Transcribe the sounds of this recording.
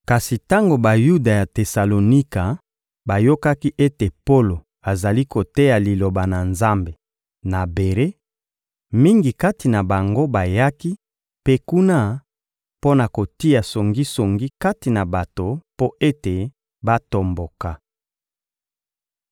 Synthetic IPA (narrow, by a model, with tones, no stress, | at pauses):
ka˨si˨ta˦ŋɡo˨ba˨ju˦da˨ja˨te˨sa˨lo˨ni˦ka˨ | ba˨jo˦ka˦ki˦ʔe˦te˨po˦lo˨ | a˨za˨li˦ko˨te˦ja˨li˨lo˨ba˨na˨nza˦mbe˨ | na˨be˨ʁe˦ | mi˦ŋɡi˨ka˦ti˨na˨ba˨ŋɡo˦ba˨ja˦ki˦ | pe˦ku˦na˦ | po˦na˨ko˨ti˦a˨so˨ŋɡi˦so˨ŋɡi˦ka˦ti˨na˨ba˨to˨po˦ʔe˦te˨ | ba˦to˨mbo˨ka˨